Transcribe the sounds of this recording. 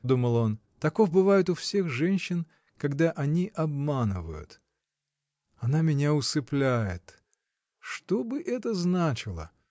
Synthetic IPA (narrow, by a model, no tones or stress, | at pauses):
d̪uməlˠont̪ɐko̞vbɨvajɪt̪ʊfsʲe̞xʐɛnʲɕːɪn | kɐɡd̪aʔɐnʲiʔɐbmanɨ̰və̰jʊ̰t̪ | ɐnamʲɪnʲaʊsɨplʲæjɪ̰t̪ | ʂt̪obɨʔɛt̪əznat͡ɕɪlˠə̰